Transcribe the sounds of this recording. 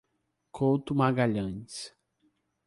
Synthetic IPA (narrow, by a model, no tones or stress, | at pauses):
kʰowt̪umaɡaʎɐ̃ns